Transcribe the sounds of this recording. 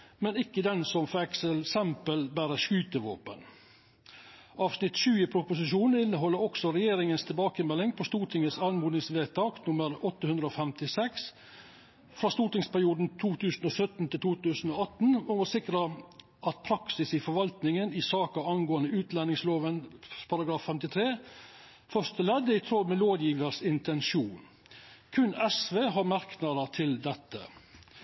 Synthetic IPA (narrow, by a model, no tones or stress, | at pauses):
mɛnɪkːəd̪ɛnsɔmfɛksəlsɛmpəlbæːɾəʂkʉːt̪əʋo̰ːpə̰n | ɑːʋsnɪt̪ʃʉːəpʰɾʊpʊs̬ɪʃuːnɪnːəɦɔlːəɾɔksɔɾɛjeːɾɪŋənst̪ʰɛbɑːkəmɛlːɪŋpʰɔst̪uːʈʰɪŋəsɑlmuːd̪nɪŋsʋeːt̪ʰɑːknʊməɾɔt̪ːəhʉnd̪ɾəoːfɛmt̪ɪsɛks | fɾɑːst̪uːʈɪŋspæɾɪuːd̪n̩t̪ʰuːt̪ʰʉːsn̩oːsœt̪n̩t̪ʰɪlt̪ʰuːt̪ʉːsn̩oːɑt̪n̩mɔmɔsɪkɾə | ʔɑt̪̚pʰɾɑksɪsɪfɔɾʋɑlt̪nɪŋənɪsɑːkɑɑnɡoːənəʉːt̪lɛnːɪŋsloːʋənpʰɑɾɑɡɾɑːffɛmt̪ɪt̪ʰɾeː | fœʂt̪əlɛd̪ːəɪt̪ʰɾɔlmɛloːd̪jiːʋəɾsɪnt̪ʰɛnʃuːn | kʰʉnɛsʋeːɦɑɾmɑɾknɑd̪ət̪ʰɪld̪ɛt̪ːə̰